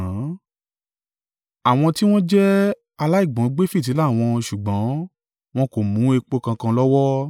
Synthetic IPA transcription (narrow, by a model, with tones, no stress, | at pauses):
a˨w̃ɔ̃˧ti˦w̃ɔ̃˦d͡ʒɛ˦ | a˧la˦i˦˨ɡ͡bɔ̃˨˦ɡ͡be˦fi˦˨t̬i˨˦la˦˨w̃ɔ̃˧ʃu˨ɡ͡bɔ̃˨˦ | w̃ɔ̃˦ko˨mũ˨˦e˧k͡po˧kã˧kã˧lɔ˦wɔ˦